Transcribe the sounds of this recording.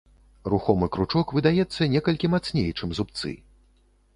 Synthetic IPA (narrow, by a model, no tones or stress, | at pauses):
ruxɔmɨkɾut͡ʂɔkvɨd̪ajɛt̪sːɐnʲɛkɐlʲkʲimat̪snʲḛjt͡ʂɨmzup̚t̪sɨ̰